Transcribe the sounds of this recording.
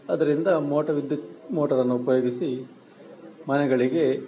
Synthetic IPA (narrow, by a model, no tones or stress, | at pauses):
ɐd̪ɐɾind̪ɐmoːʈɐʋid̪jɐmoːʈɐɾɐnːuupɐjo̞ːɡisi | mɐnɛɡɐɭiɡe̞